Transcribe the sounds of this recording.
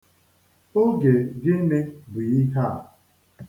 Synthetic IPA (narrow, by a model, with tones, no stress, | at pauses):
o˦ɡe˨ɡɪ˦n̩˦ne˦bi˨i˦ka˦a˨